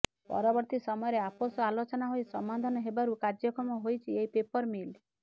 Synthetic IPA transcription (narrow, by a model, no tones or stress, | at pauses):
pɔ̰ɾɔbɔɾt̪isɔmɔjɔɾeaposɔalot͡ʃɔnaɦojsɔmad̪ʱanɔɦebaɾukaɾd͡ʒjɔkɔmɔɦojt͡ʃʰieipepɔɾmil